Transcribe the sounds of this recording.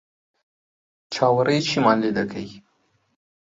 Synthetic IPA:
t͡ʃɑwaɾəjt͡ʃimɑnlid̪akʰaji

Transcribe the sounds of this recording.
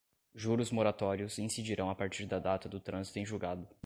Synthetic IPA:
ʒuɾʊzmoɾat̪ɔɾiʊsĩsid͡ʒiɾɐ̃w̃apaɾt͡ʃiɾd̪ɐd̪at̪ɐd̪ʊt̪ɾɐ̃zit̪ʊẽʒuɡad̪ʊ

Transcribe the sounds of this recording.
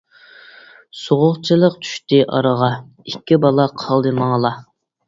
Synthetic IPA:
soʁʊχt͡ʃʰɨlˠəq̚t͡ʃʰy̥ʃt̪ɪʔɑ̰ɾəʁɑ | ikʲːibɑlˠɑqʰɑlˠd̪ɨmɑŋlˠɑ

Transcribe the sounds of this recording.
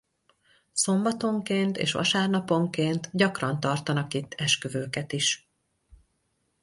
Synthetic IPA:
so̞mbɒt̪o̞ŋkeːnt̪ḛːʃʋɒ̰ʃaːrnɒpo̞ŋkeːnt̪ɟɒkrɒnt̪ɒrt̪ɒnɒkit̪ʰːɛʃkøvøːkɛt̪iʃ

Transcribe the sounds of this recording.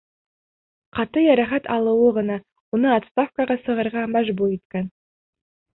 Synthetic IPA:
qʰɑt̪əjɑɾɑχɑt̪ʰɑlˠəwəʁənɑ | wonəɑt̪st̪afkaʁɑsəʁəɾʁɑmæʒbuɾet̪̚kʲen

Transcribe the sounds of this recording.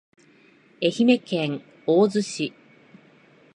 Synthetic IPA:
e̞çime̞kẽŋ | oːzɨɕi

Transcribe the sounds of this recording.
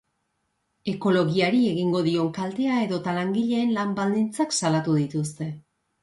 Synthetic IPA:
e̞ko̞lo̞ɣiaɾie̞ɣ̞iŋɡo̞ðio̞ŋkalt̪e̞ae̞ðo̞t̪alaŋɡiʎe̞ːnlambald̪int͡saksalat̪uðit̪ust̪e̞

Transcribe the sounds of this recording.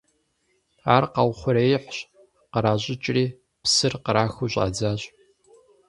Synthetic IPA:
aːrqɑwχʷʊɾeːjħʷɕ | qəɾaːʑʼɪt͡ʃʼriː | psɨrqəɾaːxuɕʼa̰ːd͡zaːɕʼ

